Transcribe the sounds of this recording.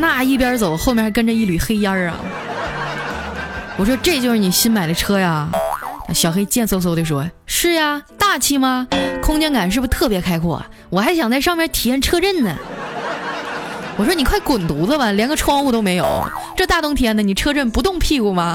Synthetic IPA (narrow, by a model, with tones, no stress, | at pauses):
na˥˩i˥˩pjɑ˥t͡so˨˩ʊxo˥˧mɛ˧˥ʂ̩˥˩kə˥nʈ͡ʂə˧i˥˩ly˨˩xe˥ɪjɑ˥ɐ̰˨˩ | wɔ˨˩ʂwɔ˥ʈ͡ʂɤ˥˧t͡ɕjo˥˧ʊʂɻ̩˥˩ni˨˩ɕi˥nma˨˩ɪlə˦ʈ͡ʂʰɤ˥ja˨na˥˩ɕjɑ˨˩ʊxe˥ɪ˧t͡ɕjɛ˥˧nswo˧˥˩sw̪e˥˩ʂwɔ˥ʂɻ̩˥˩ja˩t̪a˥˩t͡ɕʰi˥mɐ˧kʰʊ˥ŋt͡ɕjɛ˥nka˨˩nʂ̬ɻ̩˥˩bu˩˧t̪ʰɤ˥˩pjɛ˧˥kʰa˥ɪkʰwɔ̰˨˩ | wɔ˨˩xa˧˥ɪɕ̬jɑ˨˩ŋt͡sa˥˧ɪʂɑ˥˧ŋmjɛ˥˧nt̪ʰi˨˩jɛ˥˩nʈ͡ʂʰɤ˥ʈ͡ʂə˥˩nd̪ə̰˩ | wɔ˨˩ʂ̬wɔ˥ni˨˩kʰwa˥˩ɪkʊ˨˩nt̪u˧˥lə˥˧mɐ˨ljɛ˧˥nɡə˧ʈ͡ʂʰwɑ˥˧ŋu˥˧t̪̬o˥ʊme˧˥ɪjo̰˨˩˦ʊ̰ʈ͡ʂɤ˥˧t̪a˥˩t̪ʊ˥ŋt̪ʰi˨˩jɛ˥nd̪ə˨˩ni˨˩ʈ͡ʂʰɤ˥ʈ͡ʂə˥˩npu˧˥t̪ʊ˥˧ŋpʰi˥˧ku˨˩mɐ˩